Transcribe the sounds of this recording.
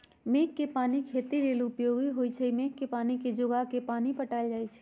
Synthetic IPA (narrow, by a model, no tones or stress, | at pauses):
meːkːepaːnikʰeːt̪iɾeːlʊpjoːɡiɦoːit͡ʃʰɛmeːkːepaːniked͡ʒʊɡakepaːnipəʈaːld͡ʒaːit͡ʃʰɛ̥